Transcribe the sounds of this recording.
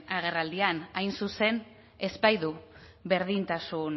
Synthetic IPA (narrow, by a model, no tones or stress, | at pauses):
aɣ̞e̞rald̪ianajnsuse̞n | e̞spajðu | βe̞ɾðint̪asun